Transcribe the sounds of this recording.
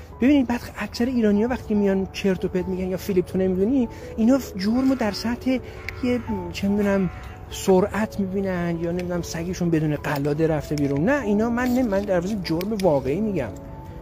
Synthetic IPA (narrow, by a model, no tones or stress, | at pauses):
b̥ebiːnid̪̚bæd̪æcʰsæɾeiːɾɒːnijɒːvæxt̪iːcʰemijɒnt͡ʃʰe̞ɾt̪ʰoped̪̚miɟænjɒːfilip̚t̪ʰone̞mid̪uni | inɒːd͡ʒoɾmod̪æɾsæt̪ʰhe̞ | jet͡ʃʰemid̪unæm | soɾæt̪ʰmibiːnænd̪jɒːne̞mid̪unæmsæɡeʃunbe̞d̪uːneɡælɒːd̪eɾæft̪e̞biːɾunːæinɒːmænːemænd̪æɾvɒzed͡ʒoɾme̞vɒːɣe̞iːmiɟæ̰m